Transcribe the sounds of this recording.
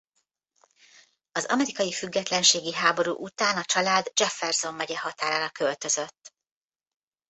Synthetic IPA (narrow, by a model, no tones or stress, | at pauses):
ɒzɒ̰mɛɾikɒjifyɡːɛt̪lɛnʃeːɡiɦaːbo̞ɾṵːʔut̪aːnɒt͡ʃɒlaːd̪d͡ʒɛfːɛrzo̞mːɛɟɛɦɒt̪aːɾaːɾɒkølt̪ø̞zø̞t̪ː